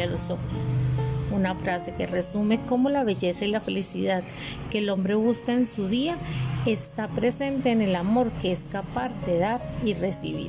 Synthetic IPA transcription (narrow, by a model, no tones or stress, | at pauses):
aloso̞xosunafɾase̞ke̞re̞sumeko̞mo̞laβe̞ʝe̞sailafe̞lisiðaðkeːlo̞mbɾe̞βuskaensuðiae̞st̪apɾe̞se̞nt̪e̞ːne̞lamo̞ɾke̞eskapaɾd̪eðaɾire̞sḭβḭɾ